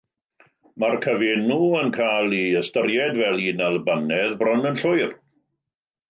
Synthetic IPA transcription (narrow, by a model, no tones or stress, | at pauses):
markʰəveːnuənkʰaːlˠiəstəɾjɛdvɛlˠinalˠbanɛðbrɔnənɬʊjr